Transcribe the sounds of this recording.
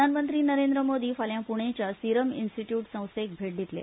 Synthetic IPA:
anmənt̪ɾiːnəɾẽnd̪ɾəmod̪iːfaljãpuɳ̃et͡ɕjasiɾəmḭnsʈiʈjuːʈsə̃w̃sek̚bʱeʈ̚d̪it̪lḛ

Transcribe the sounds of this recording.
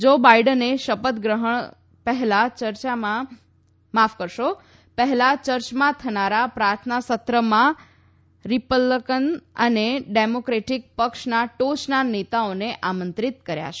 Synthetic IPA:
d͡ʒobajɖəneʃəpət̪ɡɾəɦəɳ̃ | pəɦɛlat͡ʃəɾt͡ʃamã | mafkəɾʃo | pəɦɛlat͡ʃəɾt͡ʃmãt̪ʰənaɾapɾaɾt̪ʰnasət̪ɾəmã | ɾipəlːəkənə̰neɖemokɾeʈik̚pəkʃnaʈot͡ʃnanet̪aoneʔamənt̪ɾit̪kəɾja̰t͡ʃʰe

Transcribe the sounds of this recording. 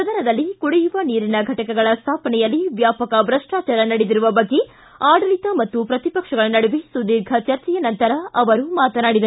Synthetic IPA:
ɾɐd̪ɐɾɐd̪ɐlːikuɽejuʋɐniːɾinɐɡʱɐʈɐkɐɡɐɭɐst̪ʰaːpɐnɛjɐlːiʋjaːpɐkɐbɾɐʂʈaːt͡ʃɐɾɐnɐɽed̪iɾuʋɐbɐɡːe | aːɽɐlit̪ɐmɐt̪ːupɾɐt̪ipɐkʂɐɡɐɭɐnɐɽuʋisud̪iːɾɡʱɐt͡ʃɐɾt͡ʃɛjɐnɐnt̪ɐɾɐʔɐʋɐɾumaːt̪ɐnaːɽid̪ɐɾu

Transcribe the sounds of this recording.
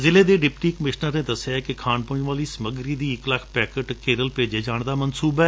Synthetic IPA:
zɪleːd̪eːɖɪpʈiːkəmɪʃnəɾnẽːd̪əsjaɛkɪkʰaːnpʊ̃d͡ʒʋaːliːsəməɡɾiːd̪iːɪkləkʰpɛːkəʈkeːɾəlpeːd͡ʒeːd͡ʒaːɳd̪aːmənsuːbɛː

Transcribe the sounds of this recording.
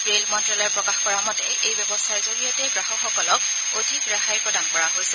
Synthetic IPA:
ɹelmɔntɹɔlɔɹpɹɔkaxkɔɹamɔtɛʔejbɛbɔsajzoɹijatɛɡɹaxɔxɔkɔlɔk̚ | odʱikɹaxajɹpɹɔdankɔɹaɦojsɛ

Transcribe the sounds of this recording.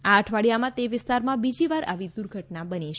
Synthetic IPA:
aəʈʰʋaɽjamãt̪eʋɪst̪aɾmãbid͡ʒiʋaɾʔa̰ʋid̪uɾɡʱəʈnabəniʃ

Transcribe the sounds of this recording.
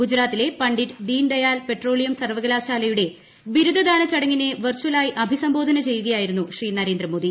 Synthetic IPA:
ɡud͡ʑɾaːt̪ːile̞pɐɳɖiʈɖiːnɖ̪ɐjaːlpe̞ʈro̞ːlijɐmsɐrʋɐɡɐlaːɕaːlɐjuɽe̞ | ʋiɾud̪ʱɐd̪ʱaːnɐt͡ɕɐɽɐŋːinːe̞ʋɐrt͡ɕuwɐlaːjiʔɐbʱisɐmbo̞ːd̪ʱɐnɐt͡ɕe̞jːuɣɐjaːjiɾunːuɕriːnɐɾe̞ːnd̪ɾɐmo̞ːd̪i

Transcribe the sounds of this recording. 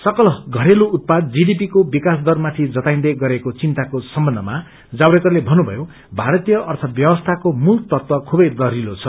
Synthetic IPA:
sʌkʌlʌɡʱʌɾeluut̪̚pad̪̚d͡ziɖip̬ikobikasd̪ʌrmat̪ʰid͡zʌt̪ajnd̪ʌɡʌɾekot͡sint̪akosʌmbʌndʱʌ̰ma | d͡zawɽekʌrlebʱʌnːubʱʌ̰jo | bʱaɾʌt̪ijʌʔʌrt̪ʰʌbjʌbʌst̪ʰakomult̪ʌt̪wʌkʰubʌjd̪ʌɾilot͡sʰʌ

